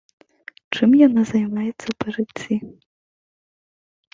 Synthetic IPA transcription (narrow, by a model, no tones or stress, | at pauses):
t͡ʂɨmjanazajmajɛt̪sːɐpɐʐɨt͡st͡sʲːi